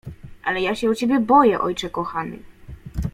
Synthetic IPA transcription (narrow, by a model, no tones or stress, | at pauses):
ʔalɛjaɕɛut͡ɕɛbʲjɛbɔjɛʔɔ̰jt͡ʂɛkɔxanɘ̰